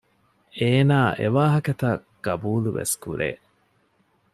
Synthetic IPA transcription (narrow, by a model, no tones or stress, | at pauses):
eːnaːʔḛʋaːɦɐkɐt̪ɐɡ̥ɐbuːluʋḛskuɾḛː